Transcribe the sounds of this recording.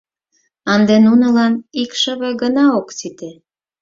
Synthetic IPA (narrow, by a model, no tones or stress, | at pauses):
ɑnd̪enunə̆lɑnikʃə̆βeɡənɑoksit̪e